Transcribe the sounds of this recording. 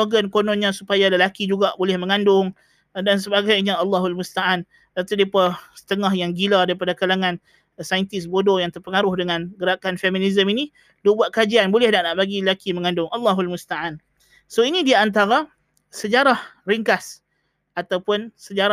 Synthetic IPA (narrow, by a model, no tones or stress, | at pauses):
oɡənkonɔnɲãsupajaləlakid͡ʒuɡaʔbolɛhməŋandʊŋ | dans̬əbaɡajɲaɑlːɑɦulmust̪aʔan | dat̪udiipasə̥t̪əŋaɦjaŋɡiladaɾipadakalaŋãn | sajnt̪ɪsbodojaŋt̪ərpəŋaɾʊhdəŋanɡəɾakanfeminizəmini | dubuat̪̚kad͡ʒianbolɛhnaʔnaʔbaɡiləlakiməŋãndʊŋʔɑlːaɦualmust̪aʔan | soinĩdiaant̪̬aɾa | səd͡ʒaɾahriŋkas | at̪awpʊnsəd͡ʒaɾa